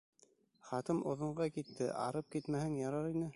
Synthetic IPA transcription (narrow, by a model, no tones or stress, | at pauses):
χɑt̪ɤmʔŏðŏɴɢɑkit̪ːɘ̰ʔɑ̰ɾɤp̚kit̪mæhɘŋjɑɾɑɾinɘ